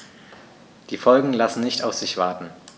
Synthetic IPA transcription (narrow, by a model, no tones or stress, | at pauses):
d̥iːfɔlɡŋ̩lasn̩nɪçtaʊfz̥ɪçv̥aɐtn̩